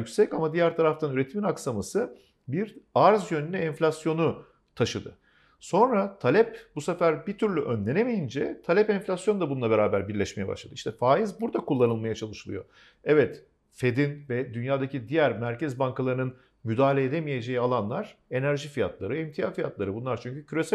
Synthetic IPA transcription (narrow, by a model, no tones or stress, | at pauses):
ycsɛcamad̪ijæɾt̪ʰaɾaft̪ʰanyɾe̞t̪ʰiminaksamasɯ | biɾaɾzjønynɛɛnflʲasjo̞nu | t̪ʰaʃɯd̪ɯ̰ | so̞nɾat̪ʰalʲɛpbusefæɾbit̪ʰyɾlʲyʔønlʲe̞nemejind͡ʒɛt̪ʰalʲɛpɛnfʲlʲasjonud̪abunulˠabe̞ɾaːbæɾbiɾlʲɛʃme̞jɛba̰ʃlˠad̪ɯiʃt̪ʰɛfaːjizbuɾd̪akulˠːanɯlˠmajat͡ʃʰalˠɯʃɯlˠɯ̰jo̞̰ | ɛvɛt̪ | fe̞d̪invɛd̪ynjaːd̪acʰid̪ijæɾmæɾcɛzbaŋkalˠaɾɯnɯn | myd̪aːlʲeːd̪emije̞d͡ʒe̞jialˠanlˠaɾ̥ | e̞næɾʒifija̰t̪lˠaɾɯimt̪ʰijaːfijat̪lˠaɾɯbunlˠaɾt͡ʃʰyɲcycʰyɾe̞sæ